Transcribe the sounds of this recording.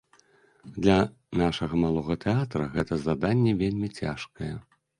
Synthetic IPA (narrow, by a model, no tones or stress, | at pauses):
d̪lʲɐ | naʂɐɣɐmalˠɔɣɐt̪ɛat̪ɾɐɣɛt̪ɐzad̪anʲːɛvʲelʲmʲit͡sʲa̰ʂkɐjɛ